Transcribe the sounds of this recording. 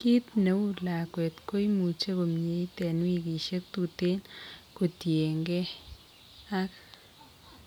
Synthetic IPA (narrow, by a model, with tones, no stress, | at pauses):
ki˦t̪ne˨u˦la˨kwe˨t̪ko˦i˦mu˨t͡ʃe˦ko˨mɲe˨i˦t̪ɛ˨nwi˦ɡi˨ʃe˦k̚t̪u˨t̪e˦nko˨tje˨ŋɡe˦ | a˦k